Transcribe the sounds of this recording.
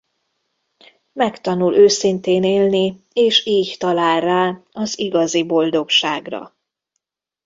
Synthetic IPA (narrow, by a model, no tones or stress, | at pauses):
mɛkt̪ɒnulʔøːsint̪eːneːlni | eːʃiːct̪ɒlaːlrːaːɒziɡɒzibo̞ld̪o̞kʃaːɡrɒ̰